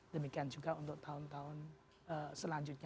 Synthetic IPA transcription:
dəmikiand͡ʒuɡaunt̪ʊʔ̚t̪aʊnt̪aʊn | əsəlaɲd͡ʒut̪̚ɲ

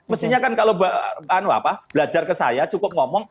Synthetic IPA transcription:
məst̪ihɲakankalobaʔbanua̰pab̥əlad͡ʒarkəsa̰jat͡ʃukʊp̚ŋɔmɔŋ

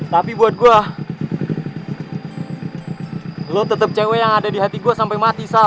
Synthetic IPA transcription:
t̪apibuat̪̚ɡua | lot̪ət̪əp̚t͡ʃewejaŋadadiɦat̪iɡuasampajmat̪isa

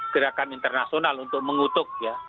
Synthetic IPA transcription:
ɡ̥əɾakanint̪ərnasionalunt̪ʊk̚məŋut̪ʊk̚ja

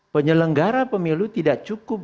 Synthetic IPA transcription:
pəɲələŋɡaɾapəmilut̪idaʔ̚t͡ʃukʊp̚

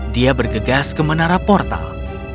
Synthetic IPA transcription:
diabərɡəɡaskəmənaɾapɔrt̪a̰l

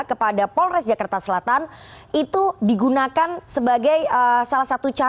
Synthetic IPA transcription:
kəpadapɔlrɛsd͡ʒakart̪asəlat̪an | it̪udiɡunakansəbaɡajəsalahsat̪ut͡ʃa

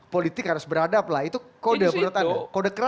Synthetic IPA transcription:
polit̪ɪkhaɾʊsbəɾadaːplait̪ukodapəɾut̪akodakəɾa

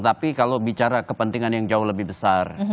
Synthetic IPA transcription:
t̪apikalobit͡ʃaɾakəpənt̪iŋanjaŋd͡ʒaʊhləbɪhbəsar

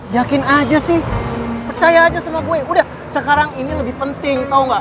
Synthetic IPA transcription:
jakɪnad͡ʒasɪhpərt͡ʃajaːd͡ʒasəmuaboɛudah | səkaɾaŋiniləbɪhpənt̪ɪŋt̪auŋɡaʔ

